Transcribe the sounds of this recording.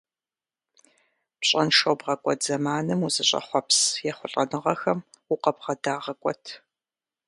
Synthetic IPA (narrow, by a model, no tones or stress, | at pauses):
pɕʼɐnʃɐwbʁɐkʷʼɔtz̥ɐmaːnɨmuzɨɕʼɐ̰χʷɔpsjɛχʷʊɬʼɐnɨʁɐxɐm | uʊqɐbʁɐdaːʁɐkʷʼɔtʰ